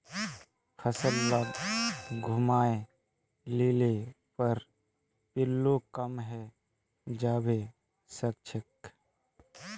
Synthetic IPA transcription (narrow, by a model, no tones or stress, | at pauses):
xəsəllaɡɡʱʊmaːe | leːlepəɾ | pɪlːokəmɦɛ | d͡ʒaːbe | sək̚t͡ʃʰək